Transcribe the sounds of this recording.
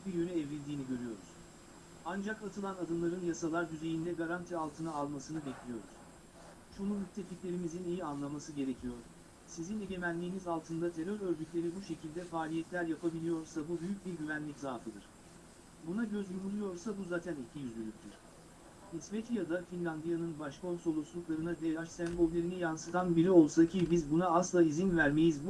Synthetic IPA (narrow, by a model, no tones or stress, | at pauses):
biɾjønɛɛvilʲd̪iːniɟøɾyjo̞ɾṵz̥ | and͡ʒakat̪ʰɯlˠanad̪ɯmlˠaɾɯnjasalˠaɾd̪yze̞jind̪ɛɡaɾant̪ʰialˠt̪ʰɯnaalˠmasɯnɯbɛclʲijo̞̰ɾṵz̥ | ʃunumyt̪̚ʰːe̞ficlʲe̞ɾimizinijianlˠamasɯɟe̞ɾe̞cʰijo̞ɾ | sizineɟe̞mænlːʲiːnizalˠt̪ʰɯnd̪at̪ʰe̞ɾøɾøɾd̪ycʲlʲe̞ɾibuʃe̞cʰilʲd̪ɛfaːlʲijɛt̪lʲæɾjapʰabilʲijo̞ɾsabubyjyc̚biɾɟyvænlʲiczaːfɯd̪ɯɾ̥ | bunaɟø̞zlʲumulˠujo̞ɾsabuzaːt̪ʰænicʰijyzlʲylʲyc̚ʲt̪ʰiɾ̥ | isvet̪ʰijad̪afinlʲand̪ijanɯnbaʃkʰo̞nso̞lˠuslˠuklˠaɾɯnad̪eaʃsænɡolʲlʲe̞ɾinijansɯt̪ʰanbiɾɛo̞lˠsaɯcʰibizbunaaslˠaizinvæɾme̞jizbu